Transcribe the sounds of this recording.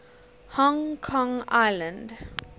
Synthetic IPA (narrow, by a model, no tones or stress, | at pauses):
hɔŋkʰɔ̃ŋaɪlə̃nd̪